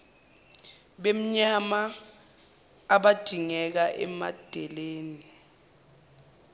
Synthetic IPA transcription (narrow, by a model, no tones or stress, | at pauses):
ɓem̩ɲama | ɓad̥ʱiŋɛk̬aʔɛ̰ma̰d̥ʱɛleːni